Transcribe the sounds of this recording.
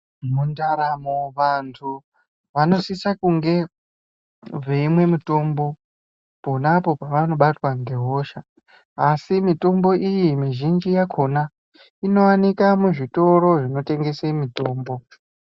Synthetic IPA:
mundaɾamoʋantʰu | ʋano̞sisakuŋɡe̞ | veimwe̞mito̞mbo̞ | po̞napo̞paʋano̞ɓatwaŋɡe̞ɦo̞ʃaː | simito̞mbo̞ʔijimiʒind͡ʒijakʰo̞na | ino̞wanikamuʐito̞ɾo̞ʐino̞te̞ŋɡe̞semito̞ːmbo̞

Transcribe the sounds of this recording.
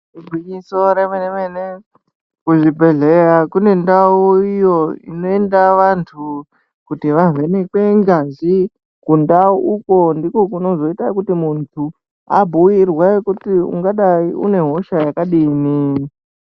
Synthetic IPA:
ribʱwiɲiso̞ɾemenemene | kuʐibʱe̞ɮe̞ɾakune̞ndauijo̞ḭno̞endaʋantʰu | kutiʋavʱenekeŋɡazi | kundauuko̞ndikokuno̞zo̞itakutimuntʰu | a̰bʱujirwakutiṵŋɡaɗaiṵne̞ɦo̞ʃajakaɗini

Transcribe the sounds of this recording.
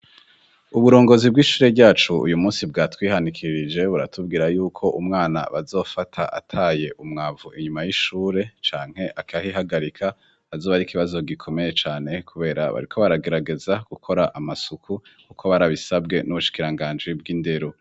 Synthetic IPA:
uβuɾo̞ːŋɡo̞zib̚ɡiʃuːɾe̞ɾɟaːt͡ʃuṵjumuːnsib̚ɡaːtwiːhanikʰiɾid͡ʒe̞βuɾa̰tʰubɡiːɾajuːkʰo̞ʔumŋaːna̰βazo̞ːfatʰaʔa̰tʰaːje̞ʔumŋaːvuʔiɲumajiʃuːɾe̞t͡ʃaːŋ̥he̞ʔakahiɦaɡaɾikʰa | azoːβaɾikʰiβazo̞ɡikʰo̞me̞je̞t͡ʃaːne̞kʰuβe̞ːɾa̰βa̰ɾikʰo̞βaɾaɡe̞ɾaɡe̞zaɡ̥ukʰo̞ɾaʔamasukʰu | kukʰoβaɾaβisabɡe̞nuβuʃi̥kiɾaŋɡaːnd͡ʒib̚ɡinde̞ɾo̞

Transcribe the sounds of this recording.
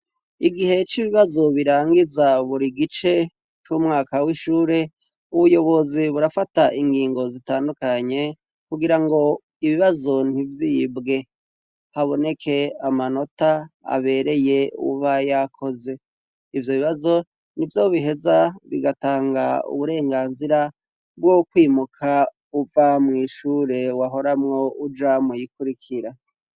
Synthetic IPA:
iɡihe̞t͡ʃiβiβazo̞βiɾaːŋɡizaβuɾiɡit͡ʃe̞ | t͡ʃumŋaːkawiʃuːɾe̞ | uβujo̞βo̞ziβuɾafataʔiŋɡiːŋɡo̞zitaːndukaɲe̞ | kuɡiɾaŋɡo̞ | iβiβazo̞n̥ivjibɡe̞ | haβo̞ne̞kʰe̞amano̞taa̰βe̞ɾe̞je̞ṵβajakʰo̞ze̞ | ivjo̞βiβazo̞ | nivjoːβiɦe̞zaβiɡataːŋɡaṵβuɾe̞ːŋɡaːnziɾa | bɡokwiːmukʰa | uvamŋiːʃuːɾe̞waɦo̞ɾamŋo̞ud͡ʒamujikuɾikʰiɾa

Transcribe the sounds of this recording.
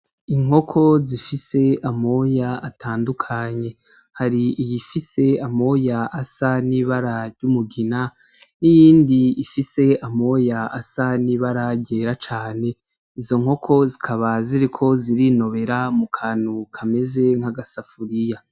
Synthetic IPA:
iŋ̥ɦo̞kʰo̞zifise̞amo̞jaatʰaːndukʰaɲe̞ | haɾiijifise̞amo̞jaasaniβaɾaɾɟumuɡina | nijiːndiːfise̞amo̞jaasaniβaɾaɟe̞ɾat͡ʃaːne̞ | izo̞ŋ̥ho̞kʰo̞zikʰaβaziɾikʰo̞ziɾino̞βe̞ɾamukʰaːnukʰame̞ze̞ŋ̥haɡasafuɾija

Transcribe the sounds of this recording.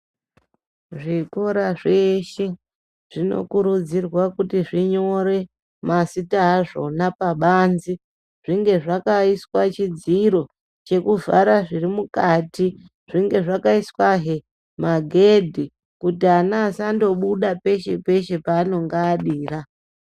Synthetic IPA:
ʐiko̞ɾaʐeʃi | ʐ̥ino̞̰kuɾud͡zirwakutiʐiɲo̞ɾe̞ | masitaaʐo̞̰napaɓaːnzi | ʐ̥iŋɡe̞ʐakaiswat͡ʃid͡ziɾo̞ | t͡ʃe̞kuva̰ɾaʐirimukaːti | ʐ̥iŋɡe̞ʐakaiswaɦe | maɡʱe̞dʱi | kutianaːsando̞ɓuɗape̞ʃe̞pe̞ʃe̞paːno̞ŋɡaːɗiːra

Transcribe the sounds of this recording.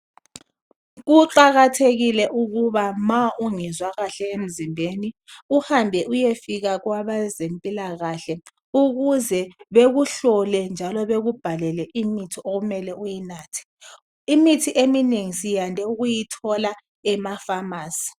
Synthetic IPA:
ɣuǃaɣatʰeɣilɛʔuɣuβamaʔuŋizwaɣaɬɛem̩zimbʱeni | uhambʱɛʔujefiɣaɣwaβazempʼilaɣaɬɛ | uɣuzɛβeɣuɬɔlɛnd͡ʒʱalɔβeɣub̥ʱalɛlɛʔimitʰiʔoɣumɛlɛujinaːtʰɛ̥ | imitʰiʔemineŋisijandʱɛuɣujitʰɔla | ɛmafamaːsi̥

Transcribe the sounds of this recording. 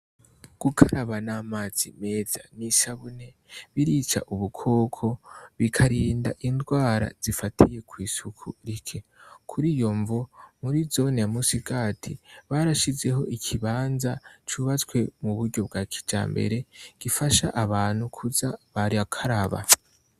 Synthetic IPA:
ɡ̥ukʰaɾaβanaːmaːz̥ime̞ːz̥a̰nisaβune̞ | βiɾit͡ʃa̰ʔuβukʰo̞ːkʰo̞βikʰaɾiːnda̰ʔindɡwaːɾa̰z̥ifatʰije̞kwiːsukʰuɾikʰe̞kʰuɾijoɱvomuɾizo̞neamusiɡaːtʰiβaːɾaʃize̞ɦo̞ʔikʰiβaːnzat͡ʃuβat͡skwe̞muβuɾɟo̞b̚ɡaːkʰi̥d͡ʒa̰ːmbe̞̰ɾe̞ɡ̥ifaʃaʔaβaːn̥hukʰuzaβaɾiakʰaɾaβa̰

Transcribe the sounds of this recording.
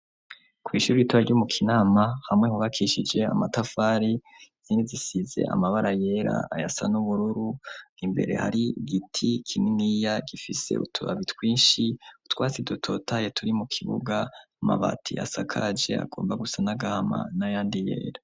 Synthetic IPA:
kwiːʃuɾiituɾaɾɟomukʰinaːmahamŋehuβakʰiʃid͡ʒe̞a̰matafaːɾi | z̥iːndizisize̞̰ʔa̰maβaɾaje̞ɾa̰ajasa̰nuβuɾuɾuimbe̞̰ɾe̞̰ha̰ɾiɡitʰikʰininijaɡifise̞̰ṵtʰua̰βitkwiːnʃiutwaːt͡sidotʰo̞tʰajetʰuɾimukʰiβṵɡaama̰βa̰tʰiʔa̰sakʰad͡ʒe̞̰a̰ɡ̥o̞ːmbaɡusanaɡahama̰najaːndije̞̰ːɾa

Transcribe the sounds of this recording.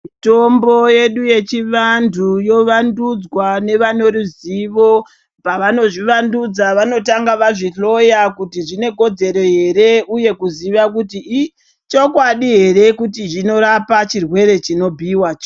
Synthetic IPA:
uto̞mbo̞je̞ɗuje̞t͡ʃiʋandʱujo̞ʋandud͡zwane̞ʋano̞ɾuziʋo̞ | paʋano̞ʐiʋandud͡zaʋano̞taŋɡaʋaʐiɬo̞jakutiʐine̞ko̞d͡ze̞ɾe̞ɦe̞ɾe̞uje̞kuziʋakutiː | t͡ʃo̞kwaɗiɦe̞ɾe̞kutiʐino̞ɾapat͡ʃirwe̞ɾe̞t͡ʃino̞bʱiwat͡ʃ

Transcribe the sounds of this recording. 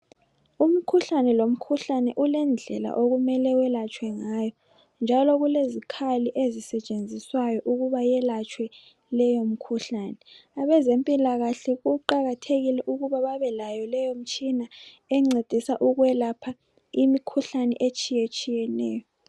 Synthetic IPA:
um̩kʰuɬanɛlom̩kʰuɬanɛʔulɛnd͡ɮʱɛ̰la̰ʔoɣumɛlɛwɛlat͡ʃʼwɛŋajɔ | nd͡ʒʱalɔɣulezikʰaliʔezisɛt͡ʃʼend͡zʱiswajɔʔuɣuβajɛlat͡ʃʼwɛ | lɛjom̩kʰuɬaːnɛaβɛzempʼilaɣaɬɛɣuǃaɣatʰeɣilɛʔuɣuβaβaβɛlajɔlɛjom̩t͡ʃʼina | ɛŋ͡ǀed̥ʱisaʔuɣwɛlapʰa | imikʰuɬanɛ̰ʔet͡ʃʼijet͡ʃʼijɛnɛːjɔ

